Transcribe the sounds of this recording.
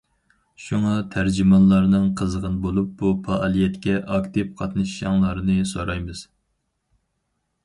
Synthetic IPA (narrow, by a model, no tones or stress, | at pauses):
ʃuŋɑt̪ʰæɾd͡ʒimɑnlˠɑɾnɨŋqʰəzəʁənɨbolˠup̚bupɑʔɑlˠijɛt̪kʲɛʔɑkt̪ɨp̚qʰɑt̪nɨʃjɑŋlˠɑɾɨnɨsoɾɑjmɨz̥